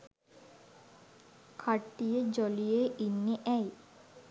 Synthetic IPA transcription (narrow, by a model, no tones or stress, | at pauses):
kʰaʈːijəd͡ʒolijeʔinːeʔæj